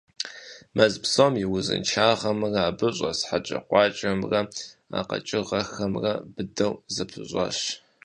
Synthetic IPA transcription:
mɐzpsomjɪwʊzɨ̰nt͡ʃʰaːʁɐmrɐaːbɨɕʷʼɐsħat͡ʃʼɐ̰qʷɑːt͡ʃʼɐmrɐa̰qɐ̰t͡ʃʼɪʁɐxɐmrɐbɨdɐwzɨpʰɨɕʷʼɐ̰ɕ

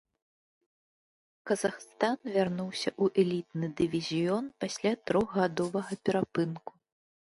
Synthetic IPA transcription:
kɐzaxst̪anvʲarnuwsʲɐʔuʔɛlʲit̪nɨd̪ɨvʲizʲijɔnpasʲlʲat̪ɾɔɣɣad̪ɔvɐɣɐpʲɛɾapɨnku̥

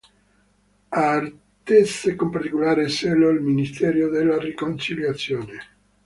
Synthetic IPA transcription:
ar | t̪esekompart̪ikolaːɾeseloilminist̪ɛːɾjod̪elːarikont͡ʃiljat̪sːjoːne

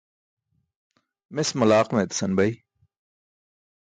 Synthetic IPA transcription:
mesmɐlaːqmet̪sɐnbɐi

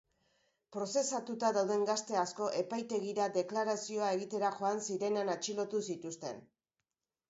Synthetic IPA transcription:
pɾo̞se̞sat̪ut̪aðawðe̞ŋɡast̪e̞asko̞ʔe̞pajt̪e̞ɣiɾaðe̞klaɾasio̞ae̞ɣ̞it̪e̞ɾaxo̞ansiɾe̞neanat͡ʃilo̞t̪usit̪ust̪e̞̰n

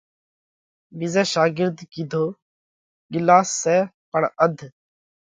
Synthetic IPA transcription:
ʋizɛːʃaːɡɪɾd̪kiːd̪ʱoː | ɡɪlaːsːɛːpəɳəd̪ʱ

